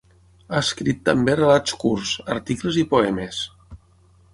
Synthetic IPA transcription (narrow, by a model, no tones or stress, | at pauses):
aəskɾit̪ːəmberəlatt͡skuɾsə̰ɾt̪ikləzipoɛmes